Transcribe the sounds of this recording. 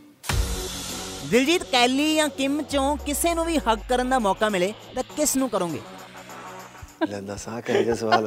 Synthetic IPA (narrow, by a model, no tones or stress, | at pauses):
zɪld͡ʒiːt̪kɛːliːjãːkɪmt͡ʃõːkɪseːnũːʋiːhəkːkəɾənd̪aːmɔːkaːmɪleːt̪ãːkɪsnũːkəɾõːŋɡḛː | lɛ̃nd̪aːsãːkʰeːɡasəʋaːl